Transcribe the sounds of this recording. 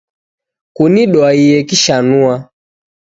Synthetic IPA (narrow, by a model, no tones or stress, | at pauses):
kuniɗɔaijɛkiʃanua